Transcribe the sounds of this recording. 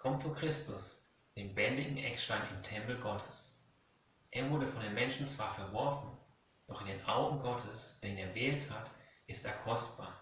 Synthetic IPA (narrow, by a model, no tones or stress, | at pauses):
kʰɔmtt͡sukʁ̥ɪstʊs | d̥eːmbɛndɪɡŋ̩ʔɛkʃtaɪnɪ̰mtʰɛmpl̩ɡɔtʰəs | ʔeːɐvʊɐdəfɔndeːnmɛnʃn̩t͡sv̥aːɐfɛɐvɔɐfn̩ | d̥ɔχɪndeːnʔaʊɡŋ̩ɡɔtʰəsd̥eːneːɐvɛːlthatʔɪsteːɐkʰɔst̚b̥a̰ːɐ